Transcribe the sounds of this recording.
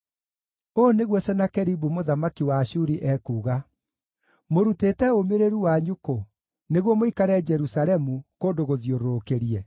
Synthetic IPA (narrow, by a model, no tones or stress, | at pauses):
oneɣwɛsɛnakɛɾibumoðamakiwaːɕuɾiʔɛːkuːɣa | moɾuteːtɛomeɾeɾuwaɲuko | neɣwɔmoikaɾɛd͡ʒɛɾusaɾɛmukoːndoɣoðioɾookeɾiɛ